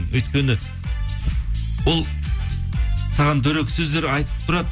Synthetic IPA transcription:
nwɵjt̪kʲe̞nɪ | wo̞lˠ | sɑʁɑnd̪ɵɾekʲsɵzd̪eɾɑjt̪əp̚t̪ʰʊɾɑd̪

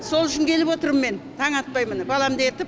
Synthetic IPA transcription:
so̞lˠʏʃɪŋkʲʰe̞lɪpwo̞t̪əɾəmːe̞nt̪ʰɑɴɑt̪̚pɑjmənbɑlˠɑmd̪e̞t̪ɪp

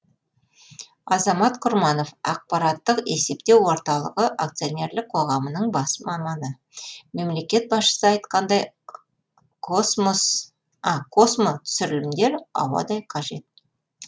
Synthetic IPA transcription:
ɑzɑmɑt̪qʰʊɾmɑno̞fɑq̚pɑɾɑt̪ːəqe̞se̞pt̪e̞wwo̞ɾt̪ɑlˠəʁəʔak̚t̪sio̞nʲe̞ɾlɪk̚qʰo̞ʁɑmənəɴbɑsəmɑmɑnə | me̞mle̞kʲe̞t̪̚bɑsʃə̥səɑjt̪qɑnd̪ɑj | qʰosmos | ɑkʰo̞smot̪ʰʏ̥sɪɾɪlɪmd̪e̞ɾɑ̰wɑ̰d̪ɑjqʰɑʒe̞t̪̚

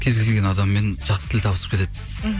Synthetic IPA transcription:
kʲʰe̞zɡʲelɡʲenɑd̪ɑmːe̞nʒ̥ɑqsət̪ʰɪlʲt̪ʰɑbəsəp̚kʰet̪ed̪ɪ

